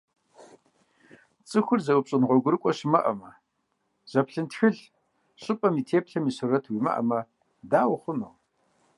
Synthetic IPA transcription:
t͡sʼɨxʷʊrzɐwʊpɕʼɪnʁʷɔɡʷʊɾɨkʷʼɔɕɪmɐ̰ʔɐ̰mɐ | z̥ɐpɬɨntxɨɮ | ɕʼɨpʼɐmiːtʰeːpɬɐmisurɐtʰwimɐ̰ʔɐ̰mɐ | daːwχʷʊnow

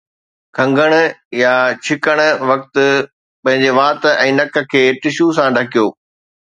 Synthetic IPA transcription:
kʰɐ̃ŋɡəɽ̃ʊ̆jat͡ɕʰɪkəɽ̃ʊ̆ʋɐk̚t̪ʊ̆ | pɐ̃ɦɪ̃ɲd͡ʑeʋaːt̪ɛ̃ːnɐkə̆kʰeːʈɪʃus̬ãɖʱɐkijoː

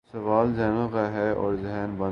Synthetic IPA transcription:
sɐʋaːlzɛːnõkaɦɛɔ̰ːɾzɪɦːnbɐ̃

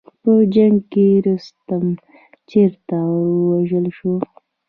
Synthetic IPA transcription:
pəd͡ʒaŋɡkeɾust̪am | t͡ʃeɾt̪awwaʒəlʃo

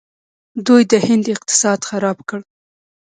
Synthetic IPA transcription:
d̪ujd̪əhɪnd̪ɪq̚t̪ɪ̥sɑd̪xaɾɑbkəɽ

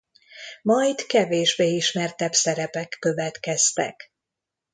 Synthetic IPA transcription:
mɒjd̪kɛveːʒbeːiʃmɛrt̪ɛbsɛɾɛpɛkːø̞vɛt̪kɛst̪ɛ̰k

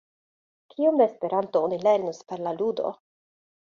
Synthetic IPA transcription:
kʰiomd̪eːspe̞ɾantoonile̞ɾnuspe̞ɾlaludo̞̰

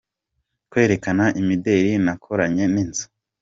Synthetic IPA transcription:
kwe̞ːɾe̞kanaʔimide̞ːɾinakʰo̞ɾaɲe̞ninzḁ

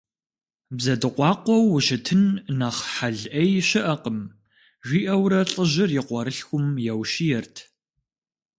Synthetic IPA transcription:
bzɐdɨqʷɑːqʷɔwːʊʃɪtʰɨnːaχħaɮʔɐjɕɪʔɐqəm | ʒʷiːʔɐwɾɐɬʼəʑɪrjɪqʷɔɾɨɬxʷʊmjɛwʃijɛrtʰ

